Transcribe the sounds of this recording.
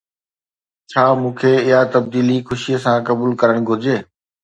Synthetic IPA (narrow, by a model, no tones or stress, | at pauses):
t͡ɕʰaːmũːkʰeːɪɦat̪ɐb̚d̪iːlixʊʃiəsãːkɐbuːlkɐɾəɽ̃ɡʱʊɾd͡ʑeː